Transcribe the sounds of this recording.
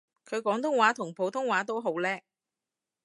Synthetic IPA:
kʰɵ˨˧ɥkɔː˨˥ŋt̪ʰʊ˥ŋwaː˨˥t̪ʰʊ˨˩ŋpʰo˨˥wt̪ʰʊ˥ŋwaː˨˥t̪o˥wɦo˨˥wlɛː˥k̚

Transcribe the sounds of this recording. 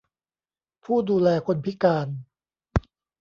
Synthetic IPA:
pʰuː˥˩duː˧lɛː˧kʰo˧npʰi˦˥kaː˧n

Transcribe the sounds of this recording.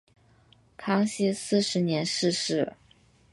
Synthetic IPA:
kʰɑ˥ŋɕi˥sɹ̩˥˩ʂɻ̩˧˥njɛ˧˥nʂɻ̩˥˧ʂɻ̩˥˩

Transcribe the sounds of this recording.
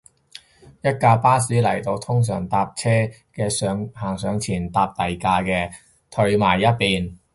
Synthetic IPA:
jɐ˥t̚kaː˧paː˥siː˨˥lɐ˨˩jt̪o˧wt̪ʰʊ˥ŋs̬œ̰ː˨˩ŋt̪aː˧p̚t͡sʰɛː˥ | kɛː˧sœː˨˧ŋhaː˨˩ŋsœː˨˧ŋt͡sʰiː˨˩nt̪aː˧p̚t̪ɐ˨˩jkaː˧kɛː˧ | t̪ʰɵ˧ɥmaː˨˩jːɐ˥t̚piː˨n

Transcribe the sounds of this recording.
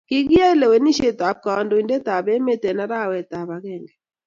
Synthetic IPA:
kɪ˦ɡɪ˦ja˦i˦le˨we˨ni˦ʃe˦t̪a˨p̚ka˨ɔ˨ndo˨i˨nde˦t̪a˨bɛ˦me˦t̪e˨na˦ɾa˦˨wɛ˨t̪a˨ba˨ɡɛ˦˨ŋɡɛ˨

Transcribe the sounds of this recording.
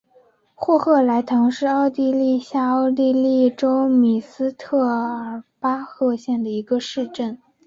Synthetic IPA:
xwɔ˥˧xɤ˥˩la˧˥ɪt̪ʰɑ˧˥ŋʂɻ̩˥˧ɑ˥˧ʊt̪i˥˧li˥˧ɕja˥˧ɑ˥˧ʊt̪i˥˧li˥˩˧ʈ͡ʂo˥ʊmi˨˩sɹ̩˥t̪ʰɤ˥˩ə˧˥pa˥xɤ˥˧ɕjɛ˥˩nd̪ə˩i˧˥ɡə˧ʂɻ̩˥˧ʈ͡ʂə˥˩n

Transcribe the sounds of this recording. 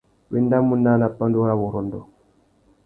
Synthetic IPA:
wi˦˨nda˦mu˦nːa˦na˨pːa˦ndu˦ɾa˦wu˨ɾɔ˨ndɔ̰˨

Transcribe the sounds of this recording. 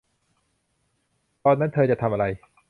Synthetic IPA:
t̪ɔː˧nːa˦˥nt̪ʰɤː˧t͡ɕa˨˩t̪ʰa˧mʔa˧ɾa˧j

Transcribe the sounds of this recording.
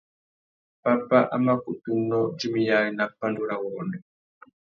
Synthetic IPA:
pa˦pa˦ʔama˦ku˨t̪u˦nɔd͡ʒi˦mi˨jaɾi˨na˨pa˦nduɾa˨wɔnɛ

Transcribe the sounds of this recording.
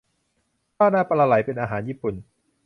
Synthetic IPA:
pʰaː˥˩naː˥˩pa˧laː˧la˩˦jpe˧nʔaː˧ɦaː˩˦njiː˥˩pu˨˩n

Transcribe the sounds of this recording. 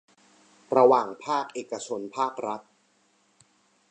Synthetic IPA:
ɾa˧waː˨˩ŋpʰaː˥˩k̚ʔeː˨˩ka˧t͡ɕʰo˧npʰaː˥˩k̚ɾa˦˥t̪̚

